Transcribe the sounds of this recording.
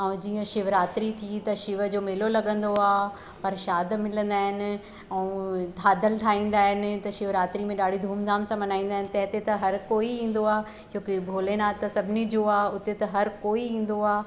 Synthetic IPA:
ɛ̃ũd͡ʑiːə̃ʃɪʋɾaːt̪ɾit̪ʰit̪ɐʃɪʋəd͡ʑoːmeːlolɐɠə̃nd̪oaː | pɐɾʃaːd̪mɪlə̃nd̪aːɦɪnɪ̆ | ɛ̃ũt̪ʰaːd̪əlʈʰaːĩːn̆d̪aːɦɪnɪ̆t̪ɐʃɪʋɾaːt̪ɾimẽɗaːɽ̤ʱid̪ʱuːmzʱaːmsãːmɐnaːĩːn̆d̪aːɦɪnɪ̆t̪ɐ̃ɦɪ̃t̪et̪ɐɦɐɾkoːiĩːn̆d̪oaː | t͡ɕõːkɪbʱoːlenaːt̪ɐsɐbʱɪnid͡ʑoaːʊt̪et̪ɐɦɐɾkoːiĩːn̆d̪oaː

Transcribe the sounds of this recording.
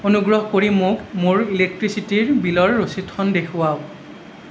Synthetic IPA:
onuɡɹɔɦɔkoɹimʊkmʊɹilek̚tɹisitiɹbilɔɹːositxɔndekʰʊwaʊ

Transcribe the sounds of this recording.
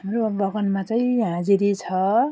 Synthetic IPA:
ɦamrobʌɡʌnmat͡saĩɦãd͡ziɾit͡sʰʌ

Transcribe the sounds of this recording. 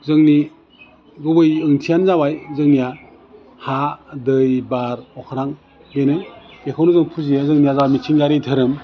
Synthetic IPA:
zɯŋni | ɡɯbɯjɯŋtʰijanzabajzɯŋnija | hadɯjbaɾɔkʰɾaŋ | benɯ̥ekʰawnuzɯŋpʰuzijazɯŋnijazawamit͡ʃʰiŋɡaɾitʰɯɾɯm

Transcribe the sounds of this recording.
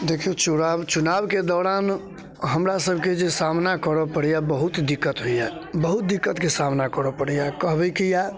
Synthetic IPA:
d̪ekʰet͡ʃunabt͡ʃunabked̪ɔɾan | ɦəmɾasəbʱked͡ʒesamnakəɾɔpəɽijabəɦut̪d̪ikːət̪ɦojabəɦut̪̚d̪ikːət̪kesamnakəɾɔpəɽijakəɦbəkija

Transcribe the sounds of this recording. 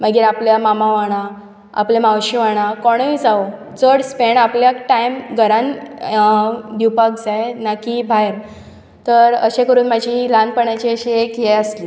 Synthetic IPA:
məɡiːɾapljamamaʋaɽ̃a | a̰plemawɕiʋaɽ̃akɔɽ̃əid͡zao | d͡zəɽspeɳapljakʈajmɡʱəɾãn | d̪iwpak̚d͡zajnakibʱajɾ | t̪əɾəɕẽkəɾuːnmad͡ʑʱilanpəɳjat͡ɕeəɕeekjeəsli

